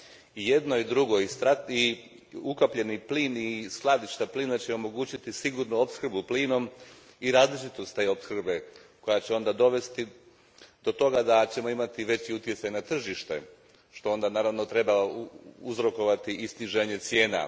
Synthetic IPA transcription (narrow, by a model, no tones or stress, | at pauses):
ije̞d̪noid̪ɾuɡo̞ist̪ɾai | ukapʎe̞nipliːnislˠad̪iʃt̪apliːnat͡ɕe̞o̞mo̞ɡuːt͡ɕit̪isiɡuɾnuo̞pskr̩bupliːno̞m | iɾaːzlit͡ʃit̪o̞st̪ːe̞ːo̞pskr̩be̞ko̞jat͡ɕe̞o̞nd̪ad̪o̞ʋe̞st̪i | d̪̥o̞t̪o̞ɡad̪at͡ɕe̞mo̞imat̪iʋe̞t͡ɕiut̪je̞t̪sajnat̪r̩ʒiʃt̪e̞̰ | ʃt̪oo̞nd̪anaːɾaʋno̞t̪ɾe̞ba | uzɾo̞ko̞ʋat̪iʔisniʒeːɲe̞t̪sje̞ːna̰